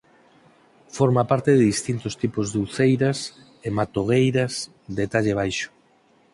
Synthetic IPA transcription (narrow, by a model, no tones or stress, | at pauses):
foɾmapaɾt̪eðɪðist̪int̪ost̪ipozðuwθejɾas | emat̪oɣ̞ejɾɐs | d̪et̪aʎeβ̞ajʃʊ̥